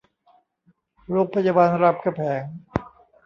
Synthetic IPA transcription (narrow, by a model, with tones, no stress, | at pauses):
ɾoː˦˥˩k̚pʰa˧jaː˧baː˧nɾa˦˩p̚ka˧pʰɛː˩˦ŋ